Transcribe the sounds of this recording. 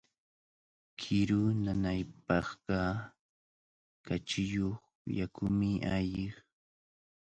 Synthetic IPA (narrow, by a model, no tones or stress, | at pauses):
kʰɪɾʊnanajpɑχɢɑ | kat͡ʃɪjoχ | jakʊmɪʔaʎɪχ